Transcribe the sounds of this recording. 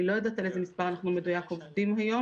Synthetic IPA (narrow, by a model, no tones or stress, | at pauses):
ilo̞jad̪at̪aleezemispaʁanaχnumed̪ujakovd̪imhajo̞